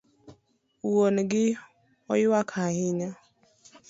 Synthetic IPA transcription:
uonɡɪ | ɔjwakʰahɪɲa

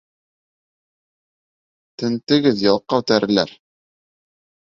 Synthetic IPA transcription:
t̪ɘ̆nt̪ɘ̆ɡɘðjɒlˠqːɑʉt̪æɾɘ̆læ̰ɾ

